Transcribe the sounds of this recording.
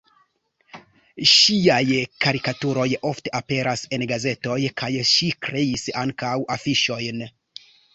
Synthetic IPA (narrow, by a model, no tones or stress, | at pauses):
ʃiajkaɾikatuɾo̞jo̞fte̞ʔape̞ɾase̞nɡaze̞to̞jkʰajʃikɾe̞isaŋkawʔafiʃo̞jn